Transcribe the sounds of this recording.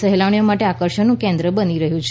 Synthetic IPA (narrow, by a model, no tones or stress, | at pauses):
əɦelaʋɳijomaʈeakəɾʃənːũkẽnd̪ɾəbəniɾəɦjũt͡ʃʰ